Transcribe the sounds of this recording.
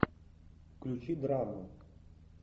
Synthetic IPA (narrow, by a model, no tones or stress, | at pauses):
klʲut͡ʃid̪ɾamə